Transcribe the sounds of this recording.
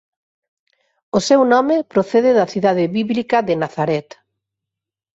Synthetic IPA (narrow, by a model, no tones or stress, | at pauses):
osewnɔmɪpɾoθeðɪðɐθiðaðɪβiβlikɐðenaθaɾɛt̪